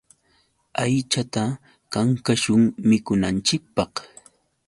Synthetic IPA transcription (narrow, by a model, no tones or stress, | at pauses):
ajt͡ʃat̪a | kaŋkaʃʊŋmɪkʊnant͡ʃɪk̚pɑχ